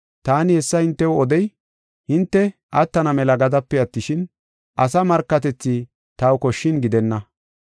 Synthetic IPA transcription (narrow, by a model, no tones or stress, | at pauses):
t̪aːnɪhɛsːɐhɪnt̪ːɛwɔd̪ɛj | hɪnt̪ːɛʔɐt̪ːɐnɐmɛlɐɡɐd̪ɐpːɛɐt̪ːɪʃɪn | ʔɐsɐmɐɾkːɐt̪ɛt͡sːɪ | t̪ɐwkɔʃːɪnɡɪd̪ɛnːɐ